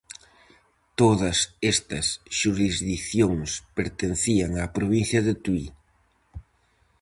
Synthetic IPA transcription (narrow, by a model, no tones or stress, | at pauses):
t̪oðɐsɛst̪ɐsʃuɾizðikθjoŋspeɾt̪enθiɐŋapɾoβinθjɐðet̪wi